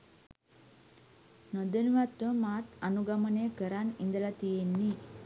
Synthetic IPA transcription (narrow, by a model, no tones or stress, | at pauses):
nod̪ənuʋat̪ʋəmaːt̪anuɡaməneːkəɾanind̪əlat̪ijenːi